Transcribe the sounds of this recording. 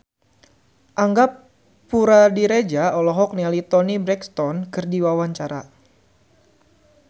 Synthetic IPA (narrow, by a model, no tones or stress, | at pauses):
ʔaŋɡapː | uɾadiɾed͡ʒaɔlɔɦɔk̚nialit̪ɔnibɾɛkst̪ɔnkɨrdiwawaɲt͡ʃaɾa